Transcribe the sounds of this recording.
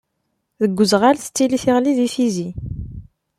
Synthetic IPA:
ðəɡʷːəzʁalθt̪ːiliθiʁliðifizi

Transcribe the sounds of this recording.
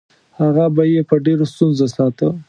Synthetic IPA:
haɣabajepəɖeɾost̪unzasɑt̪ə

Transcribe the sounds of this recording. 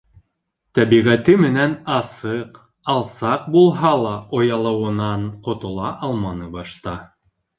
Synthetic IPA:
t̪æβiʁæt̪ɘmɘ̆nænɑsɤq | ɑlˠsɑq̚bulˠɦɑlˠɑʔŏjɑlˠɤ̆wɤ̆nɑɴqŏt̪ŏlˠɑʔɑlˠmɑnɤbɑʃt̪ɑ

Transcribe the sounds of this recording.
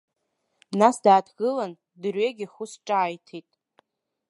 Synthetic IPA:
nasdaːdʰɡɨlan | drɥeɡʲiχʊsʈ͡ʂʼaːjtʰitʼ

